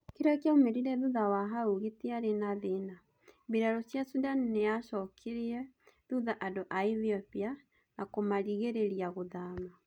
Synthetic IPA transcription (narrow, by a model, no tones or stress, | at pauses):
keɾakjaomeɾiɾɛðuðawaɦauɣeteaɾenaðena | biɾaɾosjasudanːeaʃɔkʰeɾiɛðuðaʔadoʔaiðiɔpia | nakomaɾiɣeɾeɾiaɣoðaːma